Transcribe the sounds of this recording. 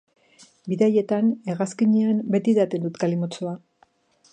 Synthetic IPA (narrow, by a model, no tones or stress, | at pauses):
biðaje̞t̪ane̞ɣaskiɲeambe̞t̪iðat̪e̞nd̪ut̪kalimot͡soa